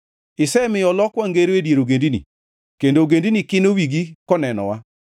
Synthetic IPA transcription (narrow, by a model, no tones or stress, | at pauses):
ɪsɛmɪjɔlɔkwaŋɡeɾedjeɾoɡendinḭ | kendoɡendinikɪnowiɡikɔnɛnɔ̰wa